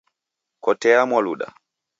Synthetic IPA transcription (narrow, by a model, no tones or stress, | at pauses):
kɔtɛamwaluɗa̰